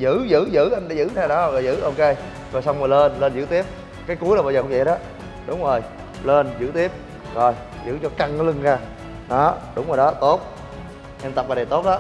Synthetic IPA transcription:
zɨ̰˧˥zɨ̰˧˥zɨ̰˧˥ʔa˧jɗa̰ː˨˦zɨ̰˧˥˦nʰaː˧˩ɗɔ˨˦˨ɔ˨˩zɨ̰˧˥ʔo˧ke˧j | zo˨˩jsa˧wŋ͡mmː˨˩leː˧nləː˧nzɨ̰˧˥˦t̪i˦˥əp̚ | kaː˨˦jku˦ənaː˨˩ɓaː˧˩əː˨˩kʊ˧ŋ͡mvə̰˧˨jɗɔ˨˦ | ɗʊ˨˦ŋ͡mzo˨˩j | le˧nzɨ̰˧˥t̪i˦˥əp̚ | zo˨˩j | zɨ̰˧˥t͡ɕɔ˧ka˧˩ŋlɨ˧ŋzaː˧ | ɗɔ˨˦ɗʊ˨˦ŋ͡mzoː˨˩jɗɔ˨˦t̪o˦˥t̚ | ʔɛ˧nt̪a˨˩p̚laː˧˩ɗə˨˩t̪o˦˥t̚la˨˦

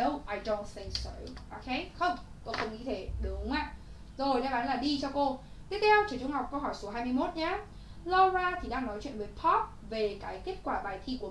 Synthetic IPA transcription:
o˧wʔaː˨˩jɗo˧nt̚θĩ˧ŋkso̰˨˧˨ʔo˧˩kʰe˨˦jxə˧wŋ͡m | ko˧xə˧wŋ͡mŋḭ˧˥t̪ʰe˧˩ɗʊ˨˦ŋ͡ma̰ː˧˨ | zo˨˩jɗaː˧˦ɓaː˨˦nlaː˨˩ɗi˧t͡ɕɔ˧ko˧t̪i˦˥ət̚t̪ʰɛ˧wt͡ɕə˧˩t͡ɕʊ˧ŋ͡mɦa˨˩k͡p̚kə˧wɦɔ˧˩jsu˨˦ɦaː˧jmɨ˧jmo˦˥t̚ɲaː˨˦ | lɔ˧zaː˧t̪ʰi˨˩ɗaː˧ŋnɔ˨˦jt͡ɕwḭ˧˨ənvəː˨˦jpʰɔ˦˥t̚ve˨˩kaː˨˦jk̪e˦˥ət̚kwaː˧˩ɓaː˨˩jt̪ʰi˧ku˧˩ə˨

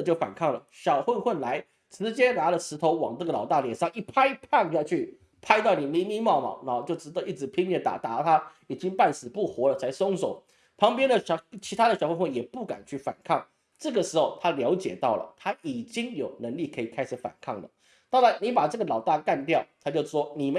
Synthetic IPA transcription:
t͡ɕjo˥˩ʊfa̰˨˩nkʰɑ˥˩ŋlə˩ɕjɑ˨˩ʊxwə˥˧nxwə˥˩nla˧˥ɪ | t͡sɹɻ̩˧˥t͡ɕjɛ˥na˧˥lə˨ʂ̩˧˥t̪ʰo˧˥ʊwɑ˨˩ŋt͡sɤ˥˩ɡə˩lɑ˨˩ʊt̪a˥˩ljɛ˨˩nʂɑ˥˧ŋi˥˩pʰa˥i˥˩pʰa˥˩ni˨˩jɑ˥˧ʊt͡ɕʰy˥˩ | pʰa˥ɪt̪̬ɑ˥˩ʊni˨˩nmi˧˥mi˥mɑ˥˩ʊma̰˨na˧˥xo˥˧t͡ɕjo˥˩ʊʈ͡ʂɻ̩˧˥d̪ə˧i˥˩ʈ͡ʂɻ̩˧˥pʰi˥ŋnjɛ˥˩t̪a̰˨˩t̪a̰˧˥˧t̪ʰa˥ | i˨˩t͡ɕi˥ŋpa˥˩nsɹ̩˨˩pu˥˩xwɔ˧˥lə˨t͡sʰa˧˥ɪso˥ŋso˨˦ʊ | pʰɑ˧˥ŋpjɛ˥nd̪ə˨ɕt͡ɕʰi˧˥t̪ʰa˥d̪ə˨ɕjxwə˥˧nxwə˥˩njɛ˨˩pu˥˩ka̰˨˩nt͡ɕʰy˥˩fa̰˨˩nkʰɑ˥˩ŋ | ʈ͡ʂɤ˥˩ɡə˩ʂɻ̩˧˥xo˧ʊt̪ʰa˥ljɑ˧˥ʊt͡ɕjɛ˨˩t̪ɑ˥˩ʊlə̰˩t̪ʰa˥i˨˩t͡ɕi˥ŋjo˨˩ʊnə˧˦˥ŋli˥˩kʰɤ˧˥i˨˩kʰa˥ɪʂ̩˨˧˥fa̰˨˩nkʰɑ˥˩ŋlə̰˩ | t̪ɑ˥˩la˧˥˦ɪni˧˥pa˨˩ʈ͡ʂɤ˥˩ɡə˩lɑ˨˩ʊt̪a˥˧ka˥˧nt̪jɑ˥˨ʊt̪ʰa˥t͡ɕjo˥˩ʊʂwɔ˥ni˨˩mə˧˦

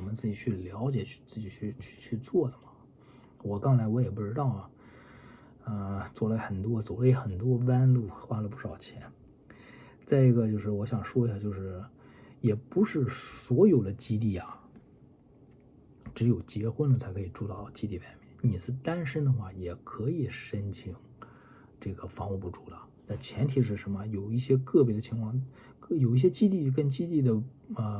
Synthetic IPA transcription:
mə˦nt͡sɹ̩˥˩t͡ɕi˨˩t͡ɕʰy˥˩ljɑ˧˥ʊt͡ɕjɛ̥˨˩˥t͡sɹ̩˥˩t͡ɕi˨˩t͡ɕʰy˥˧t͡ɕʰt͡ɕʰy˥˧t͡swɔ˥˩d̪ə˩mɐ˩ | wɔ˨˩kɑ˥ŋt͡sʰa˧˥ɪwɔ˧˥jɛ˨˩p̬u˥˩ʈ͡ʂɻ̩˥t̪ɑ˥˩ʊ˩ | ə˥˧t͡swɔ˥˩lə˧xə˨˩nt̪wɔ˥t͡so˨˩le˥˩ɪxə˨˩nt̪wɔ˥wa˥nlu˥˩xwa˥lə˨˦pu˥˩ʂɑ˨˩ʊt͡ɕʰjɛ˧˥n | t͡sa˥˩ɪi˧˥ɡə˧t͡ɕjo˥˧ʊʂɻ̩˥˩wɔ˧˥ɕjɑ˨˩ŋʂwɔ˥i˧˥ɕja˥˧t͡ɕjo˥˧ʊʂɻ̩˥˩ | jɛ˨˩pu˧˥ʂɻ̩˥˩swɔ˧˥jo˨˩ʊd̪ə˦t͡ɕi˥t̪̬i˥˩ɐ˨˩ | ʈ͡ʂɻ̩˧˥jo˨˩ʊt͡ɕjɛ˧˥xwə˥nə˨t͡sʰa˧˥ɪkʰɤ˧˥i˨˩ʈ͡ʂu˥˧t̪ɑ˥˩ʊt͡ɕi˥t̪i˥˩ʋa˥˩ɪmjɛ˥˩nni˨˩ʂɻ̩˥˩t̪a˥nʂə˥nd̪ə˨xwa˥˩jɛ˨˩kʰɤ˧˥i˨˩ʂə˥nt͡ɕʰi˧˥ŋ | ʈ͡ʂɤ˥˩ɡə˩fɑ˧˥ŋu˧pu˥˩ʈ͡ʂu˥˩d̪ə˩ | na˥˩nt͡ɕʰjɛ˧˥nt̪ʰi˨˩ʂ̬ɻ̩˥˩ʂə˧˥nmə˧jo˨˩ʊi˥˩ɕjɛ˥kɤ˥˩p̬jɛ˧˥˩d̪ə˧t͡ɕʰi˧˥ŋkʰwɑ˥˧ŋ˥˩ | jo˨˩ʊi˥˩ɕ̬jɛ˥t͡ɕi˥t̪i˥˩k̬ə˥˧nt͡ɕi˥t̪i˥˩d̪ə˩ə˧

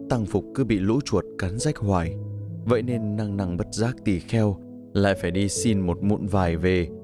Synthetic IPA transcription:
t̪a˧ŋfʊ˨˩k͡p̚kɨ˨˧˦ɓḭ˧˨lṵ˧˥t͡ɕu˨˩ət̚kaː˨˦nza˦˥jk̟̚hwaː˧˩jvə̰˧˨jne˧nːa˧ŋna˧ŋɓə˦˥t̚zaː˦˥k̚t̪i˨˩xɛ˧w | la̰ː˧˨jfaː˧˩jɗi˧si˧nmo˨˩t̚mṵ˧˨nvaː˨˩jve˨˩

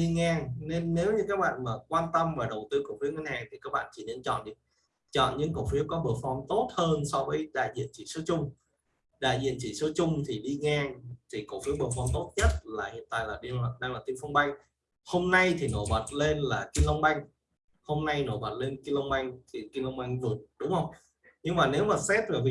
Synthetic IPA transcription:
ɗi˧ŋaː˧ŋne˧nːe˨˦wɲɨ˧kaː˦˥k̚ɓa̰ː˧˨nmaː˨˩kwaː˧nt̪ə˧mvaː˨˩ɗə˨˩wt̪ɨ˧ko˧˩w̚fi˨˦əŋwi˧nhaː˨˩ŋt̪ʰi˨˩kaː˦˥k̚ɓa̰ː˧˨t͡ɕḭ˧˨ne˧nt͡ɕɔ̰˧˨nɗɨ˨˩ə | t͡ɕɔ̰˧˨nɲɨ˧˥ŋko̰˧˨wfi˨˦əwkɔ˨˦ɓə˧˩əfɔ˧˩wŋ͡mt̪o˦˥t̚həː˧nsɔ˧wvəː˨˦jɗa̰ː˧˨jzḭ˧˨ənt͡ɕḭ˧˨so˨˦t͡ɕʊ˧ŋ͡m | ɗa̰ː˧˨jzḭ˧˨ənt͡ɕḭ˧˨so˨˦t͡ɕʊ˧ŋ͡mt̪ʰi˨˩ɗi˧ŋaː˧ŋt̪ʰi˨˩ko̰˧˩fi˨˦əɓəː˧˩əfɔ˧wmt̪o˦˥t̚ɲə˦˥t̚laː˨˩hḭ˨˧˨ən̚t̪a̰ː˧˨jlaː˨˩ɗi˧˨˩ɗaː˧ŋlaː˨˩t̪i˧mfɔ˧wŋ͡mɓa˧jŋ̟ | ho˧mna˧jt̪ʰi˨˩no̰˧˩jɓə˨˩t̚le˧nlaː˨˩ki˧nlə˧wŋ͡mɓa˧jŋ̟ | ho˧mna˧jno̰˧˩˨jɓə˨˩t̚le˧nki˧nlə˧wŋ͡mɓa˧jŋ̟t̪ʰi˨˩ki˧nlə˧wŋ͡mɓa˧jŋ̟vɨ˨˩ət̚ɗʊ˨˦wŋ͡mhə˧wŋ͡m | ɲɨ˧ŋmaː˨˩ne˨˦wmaː˨˩sɛ˦˥t̚ve˨˩vḭ˨

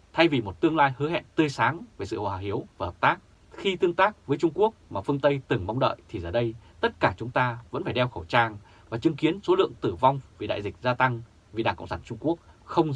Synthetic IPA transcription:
t̪ʰa˧jvi˨˩mo˨˩t̚t̪ɨ˧əŋlaː˧jhɨ˨˦ɦɛ̰˧˨nt̪ɨ˧əjsaː˨˦ŋve˨˩sɨ̰˧˨hwaː˨˩hi˨˦əwvaː˨˩həː˨˩p̚t̪aː˦˥k̚ | xi˧t̪ɨ˧əŋt̪aː˦˥k̚vəː˨˦jt͡ɕʊ˧ŋ͡mku˦˥ək̚maː˨˩fɨ˧əŋt̪ə˧jt̪ɨ˨˩ŋma˨˦wŋ͡mɗə̰ː˧˨jt̪ʰi˨˩zəː˧˩ɗə˧j | t̪ə˦˥t̚kaː˧˩t͡ɕʊ˨˦ŋ͡mt̪aː˧və̰˧˥nfaː˧˩jɗɛ˧wxə˧˩wt͡ɕaː˧˩ŋ | vaː˨˩t͡ɕɨ˨˦ŋki˨˦ənso˨˦lɨ̰˧˨əŋt̪ɨ˧˩va˧wŋ͡mvi˨˩ɗa̰ː˧˨jzï˨˩k̟̚zaː˧t̪a˧ŋ | vi˨˩aː˨˩ŋkə̰˧˨wŋ͡msaː˧˩nt͡ɕʊ˧ŋ͡mku˦˥ək̚xə˧wŋ͡m

